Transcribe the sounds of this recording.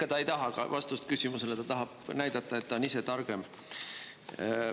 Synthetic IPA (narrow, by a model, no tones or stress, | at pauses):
kːˑɑt̪ɑe̞jt̪ɑɦɑkɑ̰vʔɑst̪ust̪̚kysimuse̞let̪ɑt̪ɑɦɑb̥næjd̪̥ɑt̪ːˑɑe̞t̪ːɑonise̞t̪ɑrɡ̥e̞m